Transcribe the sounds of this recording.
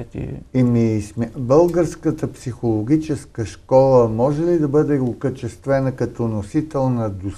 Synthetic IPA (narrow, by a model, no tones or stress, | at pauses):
ḭimismbɤlˠɡəɾskət̪əpsixolˠoɡ̟ʲit͡ʃɛskəʃkɔlˠəmɔʒɛlid̪ɐbɤd̪ɛʊkət͡ʃɛst̪vɛnəkɐt̪ɔnosit̪ɛlˠnɐd̪o